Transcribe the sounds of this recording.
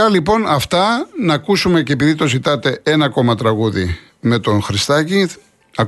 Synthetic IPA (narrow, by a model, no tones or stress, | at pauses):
ɐlipo̞nɐft̪ɐnɐːkusume̞ceːpiðit̪o̞zit̪ɐt̪e̞enɐko̞mɐt̪ɾɐɣuðḭ | me̞t̪o̞nxɾist̪ɐci | ɐ